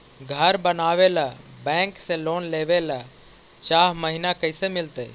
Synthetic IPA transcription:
ɡʱəɾbənaːʋelabɛ̃ŋksẽlonleʋela | t͡ʃaɦməɦinakəɦɪsemilt̪ə

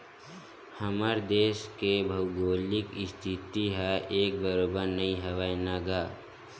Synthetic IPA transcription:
hɐməɾd̪eːʃkebʱɐʊɡoːlɪkɪst̪ʰit̪iɦɛʔeːk̚bəɾoːbəɾnɐĩɦɐʋaːinaːɡaː

